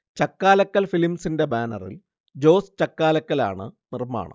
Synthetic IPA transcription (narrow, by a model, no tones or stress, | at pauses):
t͡ɕɐkːaːlɐkːɐlfilimsinde̞baːnɐ̰rḭl | d͡ʑo̞ːst͡ɕɐkːaːlɐkːɐla̰ːɳɨ̰nirma̰ːɳɐ̰m